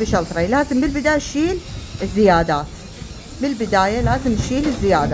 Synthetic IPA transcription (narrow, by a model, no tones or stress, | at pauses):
bɪʃɑlt̪ˤɾˤɑjlaːzɪmbɪlbɪd̪aːjaʃiːlɪzːɪjaːd̪aːt̪ | bɪlbɪd̪aːjalaːzɪmʃiːlɪzːɪjaːd̪a